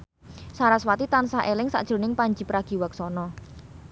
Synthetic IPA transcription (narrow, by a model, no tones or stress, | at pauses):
saɾaswat̪it̪ansaʔelɪŋsa̰ʔd̥ʒ̥ɾo̤nɪŋpaɲd͡ʒi̤pɾaɡ̥i̤wak̚sɔnɔ